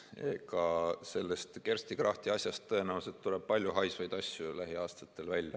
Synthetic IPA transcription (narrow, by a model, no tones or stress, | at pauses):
eɡ̥ɑse̞lːe̞st̪kersʲt̪ikrɑht̪iɑsʲjɑst̪ːɤe̞næwse̞t̪t̪uleb̥̚pɑlʲjuɦɑjsvɑjd̪̥ɑsʲjulæɦiɑːst̪ɑ̥t̪ːˑe̞lvælʲːjɑ